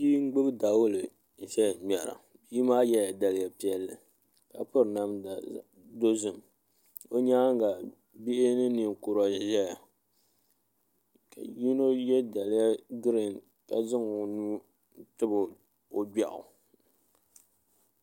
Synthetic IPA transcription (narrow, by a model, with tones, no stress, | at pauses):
biː˦ŋ̩˦ɡ͡bɨ˦bɨ˦da˨wʊ˦lɨ˨ | n̩˨ʃɛ˦˨m˨ɛ˨ɾa̰˨ | biː˦maː˦jɛ˦ja˨da˨lɪ˦˨ja˦˨pi˦ɛ˦lːɨ˨ | ka˨pʊ˦ɾna˦m˨ | do˦zʊ˨m | o˦ɲaː˦ŋ˦ɡa˨ | bi˦ʔɪ˦nɨ˦ni˨ŋ˨kʊ˨ɾa˨ʒɛ˦ja˨ | ka̰˨ji˦no˦jɛ˦da˨lɪ˦ja˦ɡɾi˨n | ka˨zɪ˦ŋo˨nuː˦ | tɨ˦bʊ˨ | o˦ba̰˨ʔʊ̰˨